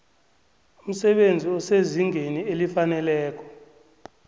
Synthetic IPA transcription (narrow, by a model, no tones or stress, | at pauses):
um̩sɛɓend͡zʱiɔseziŋʱenielifanɛlɛːkʰɔ̥